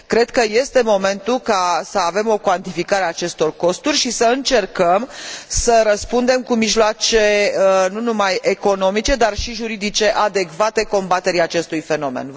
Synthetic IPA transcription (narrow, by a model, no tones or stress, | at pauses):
kɾe̞d̪̚kəje̞st̪e̞mo̞me̞nt̪ulkasəave̞mo̞kwant̪ifikaɾeat͡ʃe̞st̪o̞rko̞st̪urʲʃisəɨnt͡ʃe̞rkəmsəɾəspund̪e̞mkumiʒloat͡ʃe̞nunumaje̞ko̞no̞mit͡ʃe̞d̪arʃiʒuɾid̪it͡ʃe̞ʔad̪e̞kvat̪e̞ko̞mbat̪e̞ɾiat͡ʃe̞st̪ujfe̞no̞mḛnv